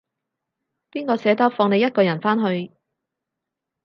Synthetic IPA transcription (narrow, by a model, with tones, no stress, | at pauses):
piː˥nkɔː˧sɛː˨˥t̪ɐ˥fɔː˧ŋne˨˧jɐ˥t̚kɔː˧jɐ˨˩nfaː˥nɦɵ˧ɥ